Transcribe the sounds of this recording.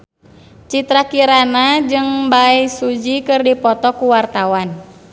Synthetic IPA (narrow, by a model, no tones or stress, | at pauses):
t͡ʃit̪ɾakiɾanad͡ʒɨŋbaisud͡ʒikɨrdipɔt̪ɔkuwart̪awan